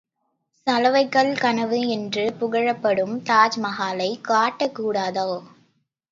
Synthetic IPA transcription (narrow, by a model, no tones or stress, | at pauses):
sɐlɐʋɐɪkːɐɭkɐnɐʋɯɛndrɯpʊɣɐɻɐpːɐɽɯmt̪aːd͡ʒmɐɣaːlɐɪkaːʈːɐkːuːɽaːðɐː